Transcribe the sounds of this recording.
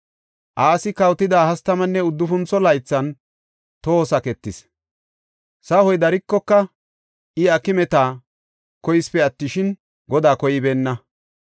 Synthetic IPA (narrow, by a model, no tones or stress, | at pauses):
ʔaːsɪkɐwt̪ɪd̪aːhɐst̪ɐmɐnːɛʊd̪ːʊfʊnt͡sɔlɐjt͡sːɐn | t̪oːsɐkɛt̪ːɪs | sɐhɔjd̪ɐɾɪkːɔkːɐ | ʔɪɐkːɪmɛt̪aː | kɔjɪspɛɐt̪ːɪʃɪn | ɡɔd̪aːkɔjɪbeːnːɐ